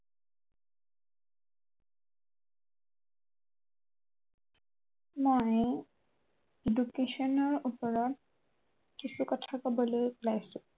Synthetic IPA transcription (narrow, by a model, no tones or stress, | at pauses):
moj | edukesɔnɔɹupɔɹɔt̚ | kisukɔtʰakobɔlojkulajsʊ̃